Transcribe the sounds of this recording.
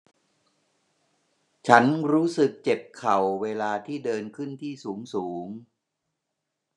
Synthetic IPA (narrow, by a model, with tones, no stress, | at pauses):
t͡ɕʰa˦˥nɾuː˦˥sɯ˨˩k̚t͡ɕe˨˩p̚kʰa˨˩wːeː˧laː˧t̪ʰiː˥˩dɤː˧nkʰɯ˥˩nt̪ʰiː˥˩suː˩˦ŋsuː˩˦ŋ